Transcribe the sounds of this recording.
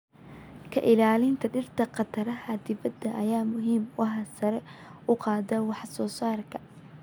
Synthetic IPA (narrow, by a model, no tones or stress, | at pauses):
kʰɐ̰ʔɪlaːlɪnt̪ʰɐɖɪrt̪ʰɐqɑt̪ʰɐɾɐɦɐd̪ɪbɐd̪ːɐʔɐjaːmʊɦiːmwɑhɑsɐɾɛʊqɑːd̪ɐwɑħsɔːsaːrkʰɐ